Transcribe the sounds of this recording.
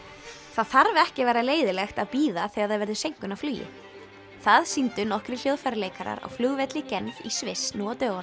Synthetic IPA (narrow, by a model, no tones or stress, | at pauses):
θaðθaɾvɛhcɪvɛːjɾaleːjðɪlɛxt̪aðpiːðaθɛɣaɾðaðvɛɾðʏsejŋkʏnaflyːjɪ̰ | θaðsint̪ʏnɔhkɾɪl̥joːwðfajɾleːjkaɾa̰ɾa̰ɣflʏːɣvɛt̪lɪcɛnvisvɪsnuat̪œːɣan